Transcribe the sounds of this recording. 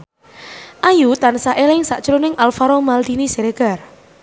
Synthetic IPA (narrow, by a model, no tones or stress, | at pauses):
ʔajut̪ansaʔelɪŋsa̰ʔʒ̥əɾonɪŋʔalfaɾɔmald̪̥iniseɾeɡ̥a̤r